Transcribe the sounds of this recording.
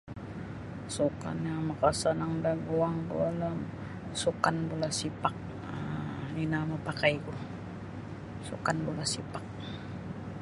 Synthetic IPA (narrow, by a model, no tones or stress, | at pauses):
suka̰namakasanaŋdaɡuaŋbṵalam | sukanbulasipak̚ | aninamapakaiku | sṵkanbulasipak̚